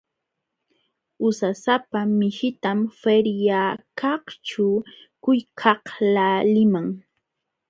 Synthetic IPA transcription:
ʊsasapamɪʃɪt̪amfeɾjakɑht͡ʃʊ | kʊjkʰɑhlalɪmaŋ

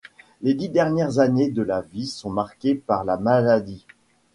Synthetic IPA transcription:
led̪id̪ɛʁnjɛʁzaned̪əlavisɔ̃maʁkʲepaʁlamalad̪i

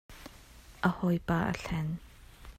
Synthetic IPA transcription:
ʔəhɔjpʼaːʔə̰ɬɛn

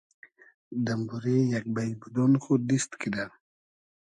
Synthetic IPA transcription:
d̪ambuɾejak̚bajbud̪ɔnxud̪ist̪kʰid̪a

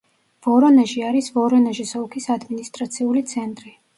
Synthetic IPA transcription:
v̥ɔɾɔnɛʒiaɾisvɔɾɔnɛʒɛsɔlkʰisad̪minist̪ʼɾat̪sʰiulit̪sʰɛnt̪ʼɾi

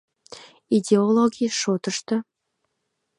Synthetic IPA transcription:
idʲeolˠoɡʲijʃot̪ə̆ʃt̪ɤ̆

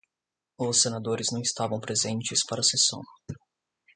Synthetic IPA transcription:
ʊsːenad̪oɾɪznɐ̃w̃ist̪avɐ̃w̃pɾezẽnt͡ʃɪspaɾɐsesɐ̰̃w̃

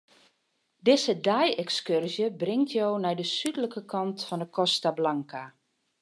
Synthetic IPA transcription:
dɪzədɛjɛkskørzjəbrɪŋtʰjoːnɛjdəsydələkəkʰɑntfɔndəkʰɔstablaŋka

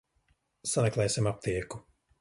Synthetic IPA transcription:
samɛklˠɛjsʲimap̚t̪iɛku

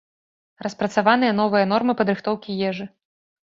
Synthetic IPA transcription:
rɐspɾɐt̪savan̪ɨjɐn̪ɔvɨjɐn̪ɔrmɨpɐd̪ɾɨxt̪ɔwkʲijɛʐɨ

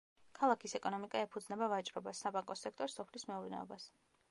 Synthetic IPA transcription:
kʰalˠakʰisɛkʼɔnɔmikʼaɛpʰud̪znɛbavat͡ʃʼɾɔbasabaŋkʼɔsɛkʰt̪ʼɔɾsɔpʰlismɛuɾnɛ̰ɔ̰bas

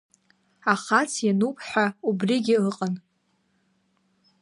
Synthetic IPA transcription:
aχat͡sʰjanupʰʼħʷᶣaubriɡʲɪɨqʼan

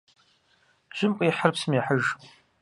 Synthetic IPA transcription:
ʒ̥ɪmqʼiħərpsɨmiħəʒ

